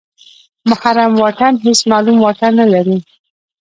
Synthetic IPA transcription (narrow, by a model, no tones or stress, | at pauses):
mʊxaɾamwɑʈanɦesmɑlumwɑʈanːalaɾi